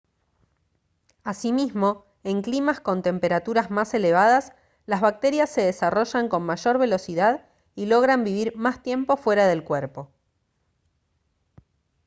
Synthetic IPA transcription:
asimizmo̞ | e̞ŋklimasko̞nt̪e̞mpe̞ɾat̪uɾazmase̞le̞β̞aðas | lazβak̚t̪e̞ɾjasːe̞ðesaro̞ʒaŋko̞nmaʒo̞ɾβe̞lo̞siðað | ilo̞ɣɾambiβ̞iɾmast̪je̞mpo̞fwe̞ɾaðe̞lkweɾpo̞

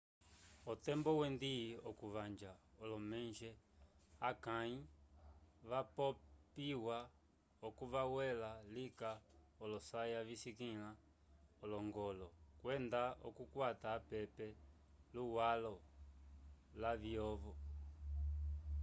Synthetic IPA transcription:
ɔt̪ɛmbɔwɛnd̪iɔkuβaɲd͡ʒaɔlɔmɛnʒɛakãi | βapɔpiwa | ɔkuβawɛlalika | ɔlɔsajaβisikila | ɔlɔŋɡɔlɔkwɛnd̪ao̰kukwat̪aːpɛpɛ | luwalɔ | laβjɔβɔ

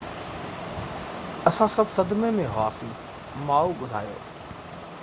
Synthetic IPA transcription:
ɐsãsɐbʱsɐd̪memẽɦa̰ːfĩ | maːuɡʊd̪ʱa̰ːjo̰ː

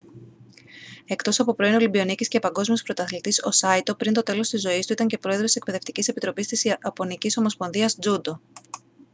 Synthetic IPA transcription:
e̞kt̪o̞sɐpo̞pɾo̞inolibio̞nicisce̞pɐŋɡo̞zmiospɾo̞t̪ɐθilit̪iso̞̰sɐit̪o̞pɾint̪o̞t̪e̞lo̞st̪izo̞ist̪uit̪ɐɲce̞pɾo̞e̞ðɾot̪ise̞k̚pe̞ðe̞ft̪icise̞pit̪ɾo̞pist̪isɐpo̞niciso̞mo̞spo̞nðiɐsd͡zud̪o̞

